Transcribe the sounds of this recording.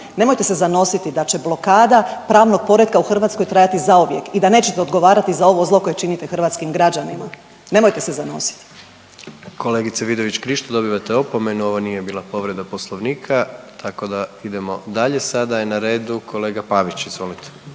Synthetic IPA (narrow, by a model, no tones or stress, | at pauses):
ne̞mo̞jt̪e̞sezano̞sit̪id̪at͡ɕe̞blˠo̞kaːd̪apɾaːʋno̞ɡ̚po̞ɾed̪̚kauxr̩ʋaːt̪sko̞jt̪ɾajat̪izauʋje̞kid̪aneːt͡ɕe̞t̪eo̞d̪ɡo̞ʋaːɾat̪izao̞ʋo̞zlˠo̞ko̞jet͡ʃinit̪exr̩ʋat̪skimɡɾad͡ʑanima̰ | ne̞mo̞jt̪e̞se̞zano̞̰si̥t̪i̥ | ko̞leːɡit̪seʋid̪oʋit͡ɕkɾiʃt̪ad̪o̞biʋat̪eopomenuo̞ʋonijebiːlˠapo̞ʋɾed̪aposlˠoʋniːkʰat̪ʰako̞d̪aid̪e̞mo̞d̪aʎesad̪ainaɾe̞ːd̪ukʰo̞leːɡapaʋit͡ɕizʋo̞lit̪e̥